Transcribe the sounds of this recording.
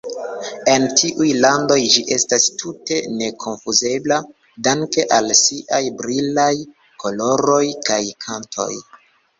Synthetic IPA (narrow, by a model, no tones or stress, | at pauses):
e̞ntiʔujlando̞jd͡ʒiʔe̞stastʰute̞ne̞kʰo̞nfuze̞bla | daŋke̞ʔalsiʔajbɾilaj | kʰo̞lo̞ɾo̞jkajkʰantʰo̞̰j